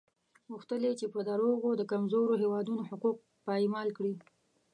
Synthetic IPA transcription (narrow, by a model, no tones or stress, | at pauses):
ɣuxt̪əlet͡ʃepəd̪aɾoɣod̪əkamzoɾoɦewɑd̪unohʊquq̚ | pɑemɑlkɽi